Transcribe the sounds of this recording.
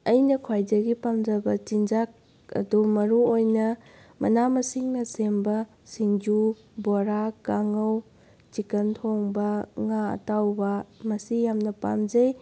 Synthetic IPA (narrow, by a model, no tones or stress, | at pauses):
ɐjnɐkʰwajdɐɡipamd͡ʒɐbɐt͡ʃind͡ʒak̚ | ɐ̰dumɐɾuojnɐ | mɐ̰namɐsiŋnɐsembɐ | siŋd͡ʒu | boɾakaŋɐw | t͡ʃikɐntʰoŋbɐŋaɐ̰tawbɐmɐsijamnɐpa̰md͡ʒɐj